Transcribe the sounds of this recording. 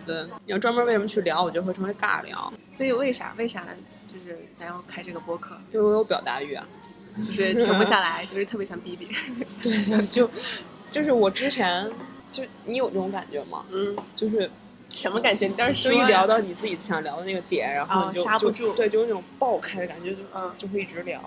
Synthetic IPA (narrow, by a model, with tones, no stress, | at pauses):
t̪we˥˩ɪi˨˩jʈ͡ʂwa˥nmə˥e˥˩ɪʂə˧˥m˧˥t͡ɕʰy˥˩ljɑ˧˥ʊwɔ˨˩t͡ɕo˥˧xʈ͡ʂʰɤ˧˥we˧˥ɪka̰˥˩ljɑ̰˧˥ʊswɔ˧˥i˨˩we˥˩ɪʂa̰˨˩we˥˩ɪʂa̰˨˩ | t͡ɕjo˥˧ʊʂɻ̩˥˩t͡sʰa˧˥jɑ˥˩ŋkʰa˥ɪʈ͡ʂɤ˥˩ɡə˩pwɔ˥kʰɤ˥˩jo˥˧wjo˧˥ʊpjɑ˨˩ʊt̪a̰˧˥y˥˩ɐ̰˩ | t͡ɕo˥˧ʊʂɻ̩ʰ˥˩ɤ˧˥pu˧˩ɕja˥˩la˧˥ɪt͡ɕjo˥˧ʊʂɻ̩˥˧t̪ʰɤ˥˩pjɛ˧˥jɑ˥˩ŋpi˥pi˨˩t̪we˥˩ɪt͡ɕjo˥˧ʊ | t͡ɕjo˥˧ʊʂɻ̩˥˩wɔ˨˩ʈ͡ʂɻ̩˥t͡ɕʰjɛ˧˥n | t͡ɕjo˥˩ʊni˧˥jo˨˩ʊʈ͡ʂɤ˥˩ʊ˧˥ŋka˨˩nt͡ɕɥɛ˧˥mɐ̰˧˥˩t͡ɕjo˥˧ʊʂ̬ɻ̩˥˩ | ʂə˧˥nmə˧ka˨˩nt͡ɕɥɛ˥n˨˩˥ʂɻ̩˥i˥ljɑ˧˥ʊt̪ɑ˥˩ʊni˨˩t͡sɹ̩˥˩t͡ɕi˨˩ɕʰjɑ˨˩ŋljɑ˧˥ʊd̪ə˧na˥˩ɡə˦t̪jɛ˨˩˦nɻa˧˥nxo˥˧t͡ɕjo˥˧a˥juʊʈ͡ʂu˥˧t̪we˥˧t͡ɕo˥˧˩n˥˩ʈ͡ʂʊ˨˩ŋpɑ˥˩ʊkʰa˥ɪd̪ə˩ka˨˩nt͡ɕɥɛ˧˥t͡ɕo˥˧˥t͡ɕjo˥˧ʊxwe˥˧i˥˩ʈ͡ʂɻ̩˧˥ljɑ̰˧˥ʊ